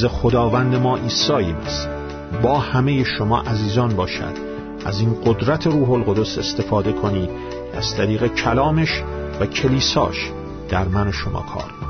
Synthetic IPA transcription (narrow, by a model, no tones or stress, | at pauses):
zexod̪ɒːvænd̪e̞mɒːʔiːsɒːjimis | bɒːhæmejeʃomɒ̰ːʔæziːzɒːnbɒːʃæ̰d̪̥ | ʔæ̰ziːnɢod̪ɾæt̪ʰe̞ɾuːɦo̞lɣo̞d̪o̞se̞st̪e̞fɒːd̪e̞kʰo̞niːd̪̥ | æ̰z̥t̪ʰæɾiːɣe̞cʰælɒːmeʃ | væcʰe̞liːsɒ̰ːʃ | d̪̥æɾmæno̞ʃomɒ̰ːkʰɒ̰ːɾ